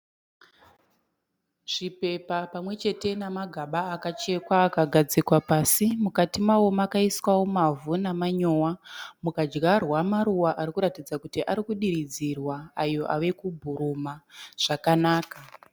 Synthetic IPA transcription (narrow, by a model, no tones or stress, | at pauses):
ʐ̥ipe̞papamwe̞t͡ʃe̞te̞namaɡʱaɓaːkat͡ʃe̞kwaːkaɡʱad͡zikwapaːsimukatimawomakaiswawo̞mavunamaɲowamukad͡ʒɡarwamaɾuwaʔaɾikuɾatid͡zakutiʔaɾikuɗiɾid͡zirwaajo̞ʔa̰ʋe̞kubʱuɾumaʐ̥akanaːka